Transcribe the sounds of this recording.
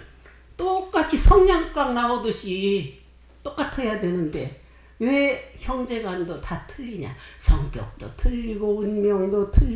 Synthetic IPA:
t͈ok͈at͡ɕʰisʰʌŋɲaŋk͈aŋnaodɯɕʰi | t͈ok͈atʰejadwe̞nɯnde̞ | weçjʌŋd͡ʑe̞ɡwandotatʰɯʎːiɲa̰sʰʌŋk͈jʌ̰k̚t͈o̰tʰɯʎːiɡounmjʌŋdotʰɯ

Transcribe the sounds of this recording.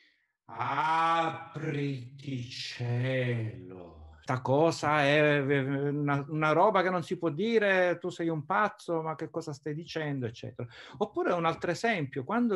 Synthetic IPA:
aa | pɾit̪it͡ʃɛlo̰t̪akɔːzaɛ | unaunaɾɔːbakenːonsipwɔd̪ːiːɾet̪usɛjumpat̪sːomak̟ːekːɔːzast̪ajd̪it͡ʃɛnd̪oet͡ʃːɛ̰ːt̪eɾaopːuːɾeunalt̪ɾoezɛmpjokwand̪o

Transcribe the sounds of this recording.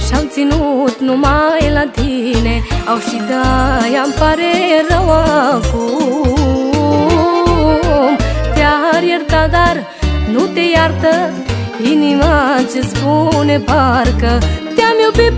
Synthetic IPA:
ɕamt͡sinut̪numajlãd̪ʱineawʃid̪ajampaɾeɾɐʋaku | mt̪jaɦaɾjɐɾt̪ad̪aɾ | nut̪ejaɾt̪ə | ɦiniʋat͡ʃisbunebʱaɾkət̪jamiwpi

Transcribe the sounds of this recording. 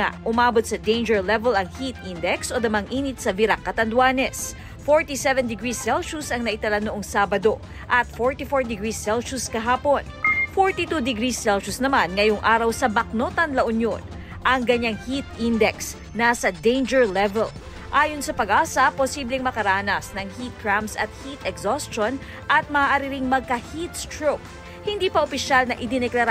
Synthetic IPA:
a̰ʔʊmaːbot̪̚sɐd̪ejnd͡ʒɛɹlɛvɛlɐŋhit̪̚ʔind̪ɛksʔod̪ɐmɐŋʔiːnɪt̪̚sɐviɾakːɐt̪ɐnd̪waːnɛs | foɹt̪isɛvɛnd̪ɪɡɹisɛlʃusɐŋnɐʔɪt̪ɐlanoʔoŋsaːbɐd̪o̞ | ʔɐt̪̚foɹt̪ifoɹd̪ɪɡɹisɛlʃuskɐɦaːpo̞nfoɹt̪it̪ud̪ɪɡɾisɛlʃusnɐmanŋɐjoŋʔaːɾɐwsɐbɐk̚no̞t̪ɐnlɐʔʊnjon | ʔɐŋkɐɲaŋhit̪ʔind̪ɛks | nasɐd̪ejnd͡ʒɛɹlɛvɛl | ʔaːjonsɐpɐɡʔaːsɐposiːblɛŋmɐkɐɾaːnɐsnɐŋhit̪̚kɹamsɐ̰t̪̚hit̪ɛksoston | ʔɐt̪̚mɐʔaːʔaːɾɪɾɪŋmɐɡ̚kɐhit̪̚st̪ɹok̚ | hɪnd̪iːpɐʔopɪʃalnɐʔɪd̪ɪnɛklɐɾ

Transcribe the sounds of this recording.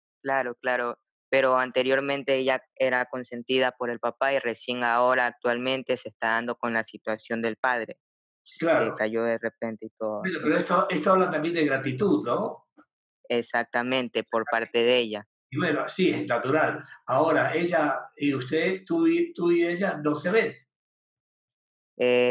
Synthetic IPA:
klaɾo̞klaɾo̞ | pe̞ɾo̞ant̪e̞ɾjo̞ɾmẽ̞nt̪e̞eʝa | e̞ɾako̞nse̞nt̪iðapo̞ɾe̞lpapaire̞sje̞ŋao̞ɾaːk̚t̪walmẽ̞nt̪e̞se̞ːst̪aðand̪o̞ko̞nlasit̪wasjo̞nd̪e̞lpað̞ɾe̞ | klaɾekaʝo̞ðe̞re̞p̚e̞nt̪eit̪o̞ðenopeɾoest̪oʔest̪oaβlat̪ambje̞nd̪eɣɾat̪it̪uðno | e̞sak̚t̪amẽ̞nt̪e̞po̞ɾppaɾt̪e̞ðee̞ʝa | iwenosieznat̪uɾalaoɾae̞ʒaiust̪et̪uit̪uieʒano̞seβen | e

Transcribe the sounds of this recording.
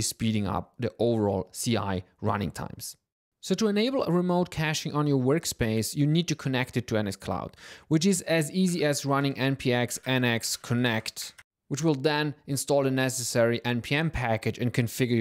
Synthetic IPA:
ispiɾɪ̃ŋʌ̰p̚ðiʔoʊvə˞ɔ̰lˠsia̰ɪɹʌ̰nɪ̰̃ŋtʰã̰ɪ̃ms | soʊtɨɨneɪbl̩ˠə̰ɹɨmoʊt̚kʰæʃɪ̃ŋə̃njə˞wɜ˞kspeɪsjɨnid̚tɨkʰənɛktɨtʰuɛnɨskʰl̥a̰ʊd̥wɨt͡ʃɪzɨziziɨzɹʌnɪ̃ŋʔɛ̃npʰiɛksɛnɛkskʰənɛkt | wɨt͡ʃwɪlˠðɛ̃nɨ̃nstɔlˠðənɛsɨsɛɹiʔɛ̃npʰiɛ̃mpʰækɨd͡ʒɨ̃nkʰɨ̃nfɪɡə

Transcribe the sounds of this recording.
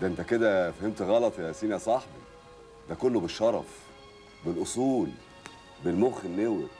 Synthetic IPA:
d̪æʔent̪æked̪æfæhemt̪ɣɑlɑt̪ˤfʔæsiːnæsˤɑħbi | d̪ækolːobeʃːɑɾˤɑ̰f | belʔosˤuːl | belmoxenːewḛ

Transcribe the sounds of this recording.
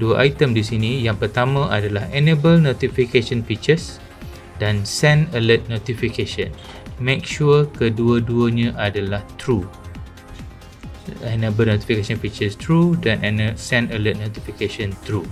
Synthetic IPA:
duəʔajt̪əmdisinijaŋpərt̪amãʔadalahɛnebəlnot̪ifikeʃənfik̚t͡ʃəs | dansɛ̃nələt̪̚not̪ifikeʃə̰̃n | mẽk̚ʃuəkəduəduəɲãʔadalaht̪ɾu | ɛnẽbəlnõt̪i̥fikeʃə̃nfik̚t͡ʃəst̪ɾudanʔɛnəsɛ̃nələt̪̚not̪ifikeʃə̃nt̪ɾu

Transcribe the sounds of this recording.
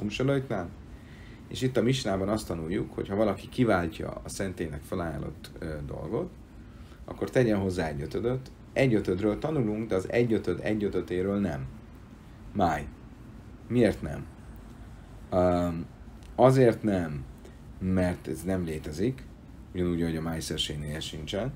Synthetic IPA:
umʃoløjt̪naːl | ḛːʃit̪ːɒmiʃnaːbɒnɒst̪ːɒnujːukho̞̰chɒvɒlɒkikivaːlcɒ̰ɒsɛnt̪eːnɛ̰kfølaːja̰ːlo̞̰t̪ːd̪o̞̰lɡo̞t̪ | ɒ̰kːo̞rt̪ɛɟɛnɦo̞zːaːɛɟːøt̪ød̪øt̪ː | ɛɟːøt̪ød̪røːlt̪ɒnuluŋɡd̪ɛɒzɛ̰ɟːøt̪ød̪ɛ̰ɟːøt̪øt̪eːɾøːlnɛmː | aːjː | ieːrt̪nɛ̰m | ɒzeːrt̪nɛmː | ɛrt̪ɛznɛmleːt̪ɛzik | uɟɒnuːɟɒɦo̞ɟɒmaːjsɛrʃeːɡneːlɛʃint͡ʃɛn

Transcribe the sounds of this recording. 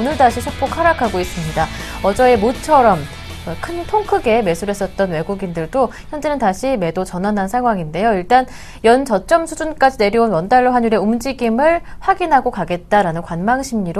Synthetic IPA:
onɯɭdaɕʰisʰok̚pʰokʰaɾakʰaɡois͈ɯmɲidaʌd͡ʑʌe̞mot͡ɕʰʌɾʌm | kʰɯntʰoŋkʰɯɡe̞me̞sʰuɾe̞s͈ʌt̚t͈ʌnwe̞ɡuɡindɯɭdoçjʌnd͡ʑe̞nɯntaɕʰime̞dot͡ɕʌnɦanansʰaŋɦwaŋinde̞joiɭt͈an | jʌnt͡ɕʌt͡ɕ͈ʌmsʰud͡ʑunk͈ad͡ʑine̞ɾiunwʌndaɭːoɦanjuɾe̞umd͡ʑiɡimɯɭɸwaɡinɦaɡokaɡe̞t̚t͈aɾanɯnkwanmaŋɕʰimɲiɾ

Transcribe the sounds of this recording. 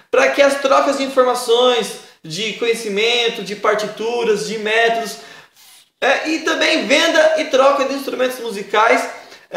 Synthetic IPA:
pɾɐkɪɐst̪ɾɔkɐzd͡ʒɪĩfoɾmasõj̃sd͡ʒɪkõɲesimẽnt̪ʊd͡ʒɪpaɾt͡ʃit̪uɾɐzd͡ʒɪmɛt̪od̪ʊs | ɛʔɪt̪ɐ̃mbẽj̃vẽnd̪ɐɪt̪ɾɔkɐd͡ʒɪĩst̪ɾumẽnt̪ʊzmuzikajs

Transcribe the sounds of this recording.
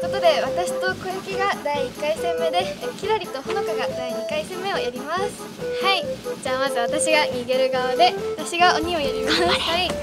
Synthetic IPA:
kot̪o̞d̪e̞βat̪aɕi̥t̪o̞kɯ̟̃ŋkʲiɡad̪aiːkːaisẽ̞mːe̞d̪e̞kʲid̪aɾʲit̪o̞hono̞kaɡad̪aiɲ̟ikaisẽ̞mːe̞o̞jaɾʲimasɨ̥haid͡ʑaːmazɨβat̪aɕiɡaɲʲiɡe̞ɾɯ̟ɡaβad̪e̞βat̪aɕiɡaoɲ̟io̞jaɾʲimasɨ̥hai

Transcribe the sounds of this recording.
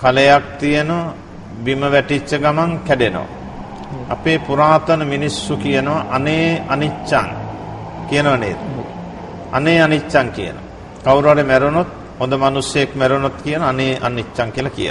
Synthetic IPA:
kalejak̚t̪ijənoʋa | biməʋæʈit͡ʃːəɡamaŋkæɖeno̰ʋa̰ | a̰peːpuɾaːt̪ənəminisːukijənoʋaʔɐneːanit͡ʃːa̰ŋ | kijənoʋanḛːd̪ | a̰neːanit͡ʃːaŋkḭjə̰no̰ʋa | kawɾaɾemæɾunot̪̚ | hond̪əmanusjəjekmæɾunot̪kijənaneːʔa̰nit͡ʃːaŋkijəlakijə̰

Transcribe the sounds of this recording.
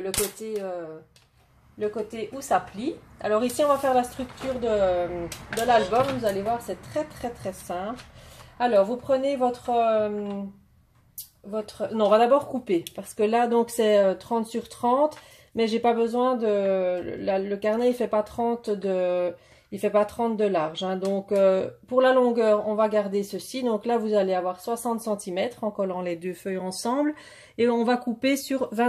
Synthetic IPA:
ləkot̪eø | ləkot̪eʔusaplia̰lɔʁisiɔ̃vafɛʁlast̪χykt̪yːʁd̪əmd̪əlalbɔmvuzalevwaʁsɛt̪χɛt̪χɛt̪χɛsɛ̃plalɔːʁvupχənevɔt̪χəm | vɔt̪χənɔ̃vad̪abɔːʁkupepaʁsə̥kəlad̪ɔ̃ksɛøt̪χɑ̃t̪syʁt̪χɑ̃ːt̪ | mɛʒepabəzwɛ̃d̪əlaləkaʁnɛifɛpat̪χɑ̃t̪d̪ə | ilfɛpat̪χɑ̃t̪̚d̪əlaʁʒɛ̃d̪ɔ̃køpuʁlalɔ̃ɡœːʁɔ̃vaɡaʁd̪esəsid̪ɔ̃klavuzaleavwaʁswasɑ̃t̪sɑ̃t̪imɛt̪χɑ̃kɔlɑ̃lɛd̪øfœjɑ̃sɑ̃ːbl | eɔ̃vakupesyʁvɛ̃

